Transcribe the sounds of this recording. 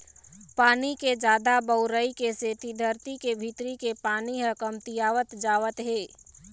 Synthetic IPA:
paːniked͡ʒaːd̪abəʊɾəikeseːt̪id̪ʱəɾt̪ikebʱit̪ɾikepaːniɾəkəmt̪ijaːʋət̪d͡ʒaːʋət̪ɦeː

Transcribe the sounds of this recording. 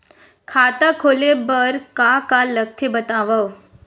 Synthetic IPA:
kʰat̪akʰolebəɾkakalək̚t̪ʰebət̪aʋəw

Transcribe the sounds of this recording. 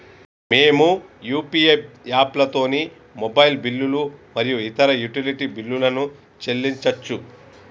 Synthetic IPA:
me̞ːmujuːpiepjaːplɐt̪o̞ːni | mobɐjlbilːulumɐɾijuit̪ɐɾɐjuʈiliʈibilːulɐnu | t͡ʃe̞lːiɲt͡ʃɐt͡ʃːu

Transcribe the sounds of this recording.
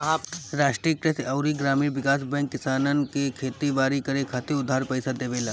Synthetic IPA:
ɾaːʃʈɾikɾesɐʊɾiɡɾaːmiːʋɪkaːsbɛ̃ŋkːɪsaːnənkekʰeːt̪iʋaːɾikɐɾekʰaːt̪iʊd̪ʱːaːɾpɛɪsad̪eːʋeːlaː

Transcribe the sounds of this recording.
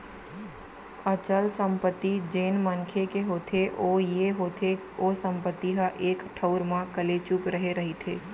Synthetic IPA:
ət͡ʃəlsə̃mpət̪ːid͡ʒeːnmənkʰekeɦoːt̪ʰeʔojeɦot̪ʰe | osə̃mpət̪ːiɦəʔeːkʈʰəʊɾmãkəlet͡ʃupɾəɦeɾəɦit̪ʰeː

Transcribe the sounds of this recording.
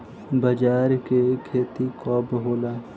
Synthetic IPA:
bəd͡ʒaːɾkekʰeːt̪ikɔːbɦoːlaː

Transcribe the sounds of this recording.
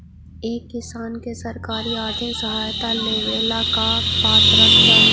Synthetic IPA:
eːkːɪsaːnkesɐɾkaːɾiaːd̪esɐɦaːjt̪aleːʋeːlakapaːt̪ɾəsɦə

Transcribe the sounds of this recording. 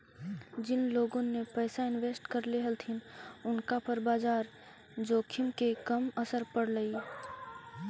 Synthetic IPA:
d͡ʒɪnloːɡõnepɛːsaɪnʋeːsʈkəɾleɦəlt̪ʰinʊnkapɐɾbaːzaːɾ | d͡ʒoːkʰɪmkekɐməsəɾpəɽləi

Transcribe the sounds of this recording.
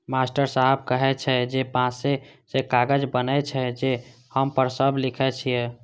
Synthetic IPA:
masʈəɾsaɦɛb̚kəɦɛt͡ʃʰɛd͡ʒepãsesekaɡəd͡ʒbənɛt͡ʃʰɛd͡ʒe | həmpəɾsəblikʰɛt͡ʃʰije

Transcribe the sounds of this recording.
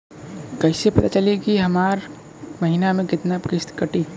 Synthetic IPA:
kəɪsepɐt̪at͡ʃəlekiɦəmaːɾ | məɦinamẽkɪt̪napkɪst̪kəʈi

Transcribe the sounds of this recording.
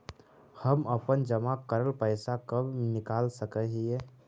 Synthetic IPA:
həməpənd͡ʒəmakəɾəlpəɪsakəbnɪkaːlsəkəɦiɛ

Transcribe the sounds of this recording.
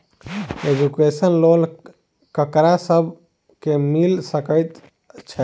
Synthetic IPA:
ed͡ʒukesənlol | kəkɾasəbʱ | kemilsəkəjt̪ | t͡ʃʰɛ

